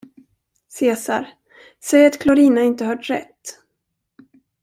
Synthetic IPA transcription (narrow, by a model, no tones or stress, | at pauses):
seːsaɾ | sɛjat̪kʰlɔɾiːnaɪnt̪əhœːʈɾɛ̰t̪ː